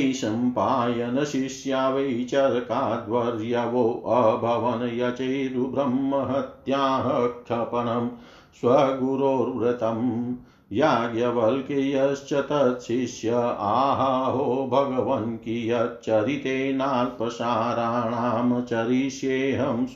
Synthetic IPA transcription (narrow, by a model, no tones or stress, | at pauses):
ʃɐmpaːjɐnɐʃiʃjaːʋɐjt͡ʃɐɾkaːd̪ʋɐɾjɐʋoːʔɐbʱɐʋɐnɐjɐt͡ʃɐjɾubɾɐmːɐɦɐt̪jaːɦɐkʃɐpɐnɐm | sʋɐɡuɾoːɾʋɾɐt̪ɐm | jaːɡjɐʋɐlkejɐst͡ʃɐt̪ɐtʃiʃjɐaːɦɐɦoːbʱɐɡɐʋɐŋkijɐt͡ʃɐɾit̪eːnaːlpɐʃaːɾaːɳamɐt͡ʃɐɾiʃjeːɦɐm